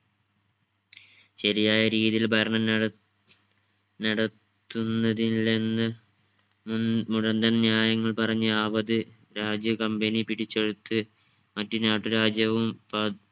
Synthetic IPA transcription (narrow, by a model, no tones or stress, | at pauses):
ɕɐɾijaːjɐɾiːðijilbʱɐɾɐɳɐm | nɐɽɐt̪ːunːɐðile̞nːɨ | muɻɐnd̪ɐnnjaːjɐŋːɐɭpɐrɐɲːuaːbɐðɨ | ɾaːd͡ʑjɐkɐmbenipiɽit͡ɕːe̞ɻut̪ːɨ | mɐtːunaːʈːuɾaːd͡ʑjɐʋumpɐ